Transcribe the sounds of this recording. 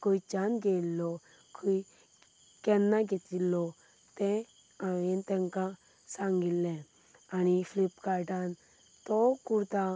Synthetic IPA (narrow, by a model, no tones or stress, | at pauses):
koit͡ʃanɡelːɔ | kʰui | kɛnːãɡet̪ilːɔ | t̪ɛ̃ | aent̪ɛ̃ŋkã | sãŋɡilːɛ̃ | aniflipkaɾɖan | t̪ɔkuɾt̪a